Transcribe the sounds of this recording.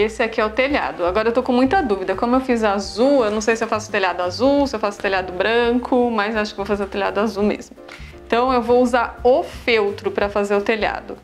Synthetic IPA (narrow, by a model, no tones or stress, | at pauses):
esɪɛkɪɛʊt̪eʎa̰d̪ʊaɡɔɾɐewt̪okõmũj̃t̪ɐd̪uvid̪ɐkõmʊewfizazuewnɐ̃w̃sejsɪewfasʊ̥t̪eʎad̪ʊazuwsɪewfasʊ̥t̪eʎʲad̪ʊbɾɐ̃kʰʊmɐzewaʃʊkɪevowfazeɾʊt̪elʲja̰d̪ʊazumḛzmʊ | ẽt̪ɐ̃w̃ewvowuzaɾofewt̪ɾʊpɾɐfazeɾʊt̪eʎa̰d̪ʊ